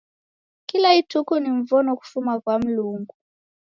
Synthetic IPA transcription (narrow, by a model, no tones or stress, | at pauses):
kilaitukuniɱ̩vɔnɔku̥fumakwam̩luŋɡu